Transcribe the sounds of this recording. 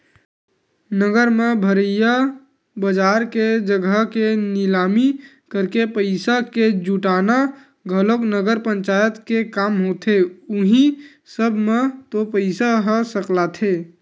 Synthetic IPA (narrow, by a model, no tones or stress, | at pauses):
nəɡəɾmebʱəɾəja | bəd͡ʒaɾked͡ʒəɡʱəkenilami | kəɾkepəɪsaked͡ʒuʈana | ɡʱəloknəɡəɾpəɲt͡ʃajət̪kekamɦot̪ʰeʊɦĩ | səbʱmet̪opəɪsaɦɔsəklat̪ʰe